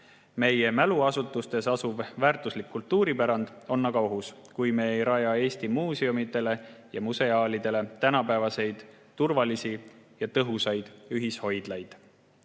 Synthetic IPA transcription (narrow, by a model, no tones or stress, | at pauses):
me̞je̞mæluɑsut̪ːˑust̪e̞sɑsuvvæːrt̪ˑuslikːult̪ːuːɾipæɾɑnd̪̥o̞nːɑɡ̥ɑo̞ɦuskujmeejɾɑjɑe̞ːst̪imuːseumit̪e̞le̞jɑmuse̞ɑːlid̪̥e̞le̞t̪ænɑpæːvɑse̞jd̪̥ | t̪urvɑlisijɑt̪ɤɦusɑjd̪̥yɦisho̞jd̪̥lɑjd̪̥